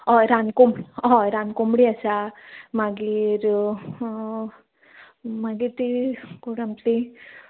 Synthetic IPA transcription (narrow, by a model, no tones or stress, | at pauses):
ɔjɾankumɽiɔɾankumɽiasamaɡiɾ | maɡiɾt̪ikuɽamt̪i